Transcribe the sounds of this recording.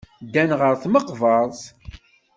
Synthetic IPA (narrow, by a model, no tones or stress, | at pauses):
d̪ænʁəɾθməqvɑɾˤz